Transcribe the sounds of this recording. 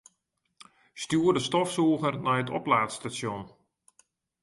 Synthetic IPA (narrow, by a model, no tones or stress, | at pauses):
stjuərdəstɔfsuːɣərnɛjətʰɔ̰plaːtstasjɔn